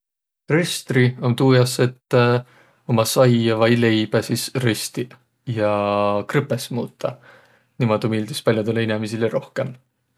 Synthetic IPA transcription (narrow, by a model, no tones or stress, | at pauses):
rest̪riont̪uːjɑset̪ː | omɑsɑjɑvɑjle̞jb̥æsisrest̪i | jɑkrɨpːesmuːt̪ːɑ | nimɑd̪omiːld̪ispɑlʲjot̪ulːeinɛmisileɾo̞hke̞m